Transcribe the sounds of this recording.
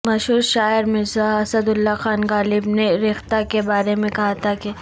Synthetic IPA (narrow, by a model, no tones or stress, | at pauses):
mɐʃɦuːɾʃaːɪɾmɪzaɦɐsəd̪ʊlːaxaːnɡaːlɪbneɾɪxt̪akebaːɾemẽkɐɦat̪ʰake